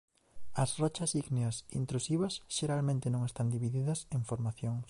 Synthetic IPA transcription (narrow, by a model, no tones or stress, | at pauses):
ɐsrɔt͡ʃɐsiɣneɐsḭnt̪ɾusiβɐsʃeɾalmẽnt̪ɪnõŋest̪and̪iβiðiðɐseɱfoɾmaθjoŋs